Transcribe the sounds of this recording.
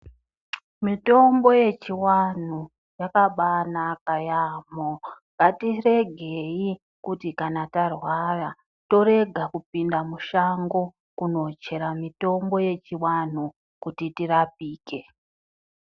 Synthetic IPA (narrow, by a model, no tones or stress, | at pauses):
mito̞mbo̞je̞t͡ʃiwan̤u | jakaɓanakajamoŋɡatire̞ɡʱei | kutikanatarwara | to̞ɾe̞ɡʱakupindamuʃaŋɡo̞ | kuno̞t͡ʃe̞ɾamito̞mbo̞je̞t͡ʃiwan̤u | kutitirap̚iːke̞